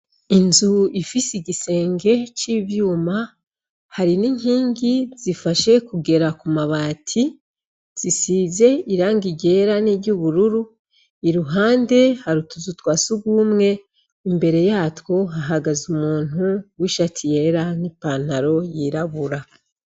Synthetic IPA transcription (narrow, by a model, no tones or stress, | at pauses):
inzuifisiɟise̞ːŋɡe̞t͡ʃiβjuːma | haɾiniŋ̥hiːŋɡiz̥ifaʃe̞kuɡe̞ɾakumaβaːtʰi | z̥isize̞iɾaːŋɡiɟe̞ɾaniɾɟuβuɾuɾu | iɾuɦaːnde̞haɾutuzutwaːsuɡuːmŋe̞ | imbe̞ɾe̞jaːtwo̞ɦaɦaɡazumuːn̥uwiʃatʰije̞ɾanipan̥haɾo̞jiɾaβuɾa